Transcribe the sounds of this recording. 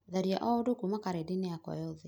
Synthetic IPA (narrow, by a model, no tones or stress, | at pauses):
ðaɾia̰ʔɔodokumakaɾedeneakɔ̰jɔðe